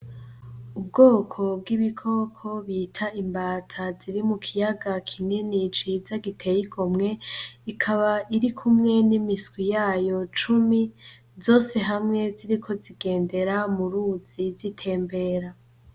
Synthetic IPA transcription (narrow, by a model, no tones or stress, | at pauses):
ub̚ɡo̞ːkʰo̞bɡiβikʰo̞kʰo̞βiːtʰaimbaːtʰaz̥iɾimukʰijaɡakʰininit͡ʃiːzaɡitʰe̞jiɡomŋe̞ikʰaβaʔiɾikʰumŋe̞nimisɡwijaːjo̞t͡ʃumi | zo̞ːse̞ɦamŋe̞ziɾikʰo̞ziɡe̞ːnde̞ɾamuɾuz̥ivitʰe̞ːmbe̞ːɾa